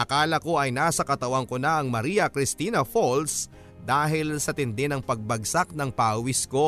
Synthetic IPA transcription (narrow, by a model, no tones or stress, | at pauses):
ʔɐkaːlɐko̞ʔɐjnaːsɐkɐt̪ɐwɐŋko̞nɐʔɐŋmɐɾiːɐkɾɪst̪iːnɐfols | d̪aːɦɪlsɐt̪ɪnd̪ɛnɐŋpɐɡ̚bɐɡsak̚nɐŋpaːʔwisko